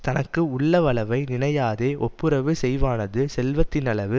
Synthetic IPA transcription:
t̪ɐnɐkːɯʊɭːɐʋɐɭɐʋɐɪnɪɳɐjaːðeːʔɔpːɯɾɐʋɯsɛjʋaːnɐðɯsɛlʋɐt̪ːɪnɐɭɐʋɯ

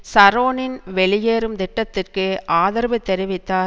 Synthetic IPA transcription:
sɐɾoːnɪnʋɛɭɪjeːɾɯmd̪ɪʈːɐt̪ːɪrkɯʔaːðɐɾʋɯt̪ːɛɾɪʋɪt̪ːaː

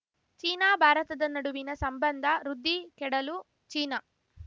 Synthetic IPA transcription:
t͡ʃiːnaːbʱaːɾɐt̪ɐd̪ɐnɐɽuʋinɐsɐmbɐnd̪ʱɐɾud̪ːikɛɽɐlu | t͡ʃiːna

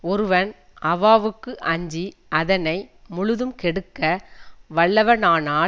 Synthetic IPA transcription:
ɔɾɯʋɐn | ɐʋaːʋɯkːɯʔɐɲd͡ʒiʔɐðɐnɐɪ | mʊɻʊðɯmkɛɽɯkːɐʋɐɭːɐʋɐnaːnaː

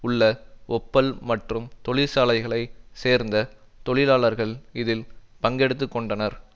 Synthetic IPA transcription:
ʊɭːɐɔpːɐlmɐʈrɯmt̪ɔɭɪlsaːlɐɪɣɐɭɐɪseːɾnd̪ɐ | t̪ɔɭɪlaːɭɐɾɣɐɭɪðɪl | pɐŋɡɛɽɯt̪ːɯkːɔɳɖɐnɐɾ

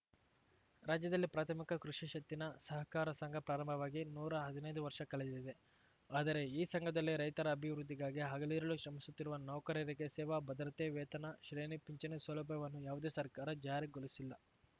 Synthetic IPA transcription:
ɾaːd͡ʒjɐd̪ɐlːipɾaːt̪ʰɐmikɐkɾuʂiʃɐt̪ːinɐsɐɦɐkaːɾɐsɐŋɡʱɐpɾaːɾɐmbʱɐʋaːɡinuːɾɐɦɐd̪inɐjd̪uʋɐɾʂɐkɐɭɐjd̪id̪e | aːd̪ɐɾe̞iːsɐŋɡʱɐd̪ɐlːiɾɐjt̪ɐɾɐːbʱiʋɾud̪ʱːiɡaːɡiɦɐɡɐliɾɐɭukʃʂɐmisut̪ːiɾuʋɐnɔːkɐɾiɾiɡe̞sɛːʋabɐd̪ɐɾɐt̪eʋɛːt̪ɐnɐʃɾeːnipiɲt͡ʃɐnusʋɐlɔbjɐʋɐnːujaːʋud̪e̞ːsɐɾkaːɾɐd͡ʒaːɾiɡoɭisilːɐ

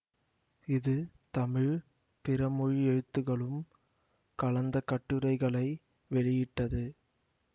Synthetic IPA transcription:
ɪðɯ | t̪ɐmɪɻ | pɪɾɐmʊɻɛɻɯt̪ːɯɣɐɭɯm | kɐɭɐnd̪ɐkɐʈːɯɾɐɪɣɐɭɐɪ | ʋɛɭɪjɪʈːɐðɯ

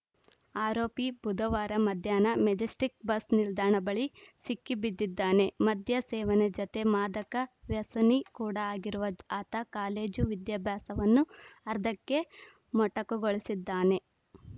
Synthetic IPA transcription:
aːɾoːpibʱud̪ɐʋaːɾɐmɐd̪ʱjaːnɐmɛd͡ʒɐsʈik̚bɐsnild̪aːɳɐbɐɭisikːibid̪ːid̪ːaːne̞mɐd̪ʱjɐsɛːʋɐned͡ʒɔt̪e̞maːd̪ɐkɐʋjɐsɐnikuːɽɐaːɡiɾuʋɐaːt̪ɐkaːle̞ːd͡ʒuʋid̪jɐːbʱjaːsɐʋɐnːuɐɾd̪ɐkːe̞ | mɔʈɐkuɡɔɭisid̪ːaːne̞

